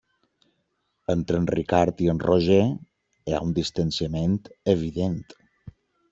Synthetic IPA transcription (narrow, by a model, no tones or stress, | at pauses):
ənt̪ɾənrikaɾt̪iənrʔoʒe | ea̰und̪ist̪ənsiəment̪əβ̞iðent̪